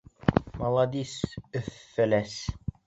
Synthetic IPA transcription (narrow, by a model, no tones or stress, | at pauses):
mɑlˠɑd̪isɵfːɘlæs